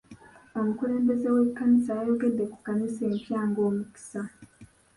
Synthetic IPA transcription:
omukuɾe̞ːmbe̞ze̞we̞kːanisaːjo̞ɡe̞dːe̞ku̥kanise̞ːmpjaːŋɡo̞ːmuki̥sa

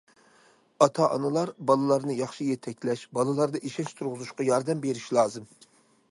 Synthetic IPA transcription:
ɑt̪ʰɑʔɑnɨlˠɑɾbɑlˠɨlˠɑɾnɨjɑχʃijɛt̪ʰɛk̚ʲlɛʃbɑlˠɨlˠɑɾd̪ɑʔiʃɛʃt̪ʰuɾʁʊzuʃqɑjɑɾd̪ɛmbeɾiʃlˠɑːzɨm

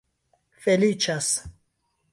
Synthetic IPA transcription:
felit͡ʃas

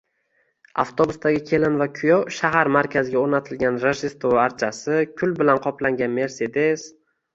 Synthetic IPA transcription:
a̰ft̪ʰobʊst̪aɡʲɪkʲʰe̞lɪnvakʲʰʊjɒʃaɦaɾmaɾkʲʰazɪɡʲaoɾnat̪ʰɪlɡʲanɾeʒɪst̪oaɾt͡ʃʰasɪkʲʰʊlbɪlanqʰɒplaŋɡʲanme̞ɾse̞d̪e̞s

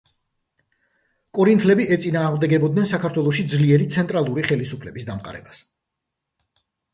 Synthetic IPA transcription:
kʼɔɾint̪ʰlɛbiʔɛt̪sʼinaːʁmd̪ɛɡɛbɔd̪̚nɛnsakʰaɾt̪ʰwɛlˠɔʃid̪zliɛɾit̪sʰɛnt̪ʼɾalˠuɾiχɛlisupʰlɛbisd̪amqʼa̰ɾɛ̰bas

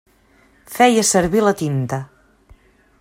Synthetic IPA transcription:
fɛjəsəɾβilət̪int̪ə

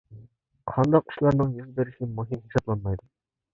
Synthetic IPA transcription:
qʰɑnd̪ɑqʊ̥ʃlˠɑɾnɨŋjyzbeɾɪʃɪmuɦimhesɑblˠɑnmɑjd̪ʊ

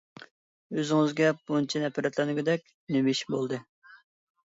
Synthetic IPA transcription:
øzɪŋɪzɡʲɛbunt͡ʃʰinɛpʰɑɾɛt̪lɛnɪɡʲɪd̪ɛkʲ | nemiʃbolˠd̪ɨ

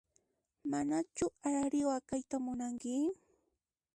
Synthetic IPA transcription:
manat͡ʃʊaɾɪwakajt̪amʊnaŋkɪ

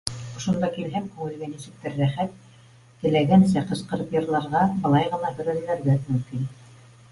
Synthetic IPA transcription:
ŏʃŏnd̪ɑkilɦɘmkʉŋɘ̆lɡænisɘ̆k̚t̪ɘɾːæχæt̪̚ː | ɘ̆læɡænsæqɤ̆sqɤ̆ɾɤpjɤ̆ɾlˠɑɾʁɑbɤ̆lˠɑjʁɤ̆nɑhɵ̆ɾælɘ̆læɾɡæmɵ̆mkin

